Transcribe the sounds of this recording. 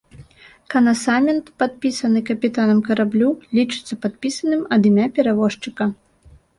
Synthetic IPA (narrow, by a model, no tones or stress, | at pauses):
kɐnɐsamʲɛnt̪pat̪̚pʲisɐnɨkɐpʲit̪anɐmkɐɾablʲulʲit͡ʂɨ̥t̪sːɐpat̪̚pʲisɐnɨmɐd̪imʲapʲɛɾavɔʂt͡ʂɨkɐ